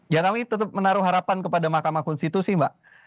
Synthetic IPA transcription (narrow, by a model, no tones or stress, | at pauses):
d͡ʒakamit̪ət̪əp̚mənaɾʊɦaɾapankəpadamahkamakɔnsit̪usɪhbaʔ